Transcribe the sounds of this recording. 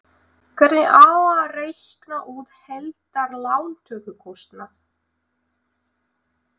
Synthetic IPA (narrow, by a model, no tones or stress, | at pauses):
kʰvɛɾtnɪʔaːarejhknaʔuːðhɛlt̪aɾlaːwnt̪ʰœːkʏkʰɔwst̪naθ